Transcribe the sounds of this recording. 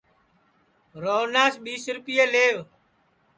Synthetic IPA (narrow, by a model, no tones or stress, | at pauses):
ɾoːnaːsɓiːsɾʊpɪjeːleːʋ